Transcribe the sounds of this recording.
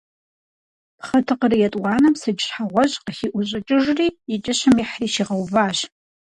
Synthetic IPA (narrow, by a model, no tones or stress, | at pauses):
pχɐtʰɨqərijɛtʼwɑːnɐmsɨd͡ʒɪɕħaʁʷɔʑʼqəxiʔʷʊɕʼɪt͡ʃʼɪʒriːit͡ʃʼɪɕɐmiħriːʃiʁɐwvaːʑ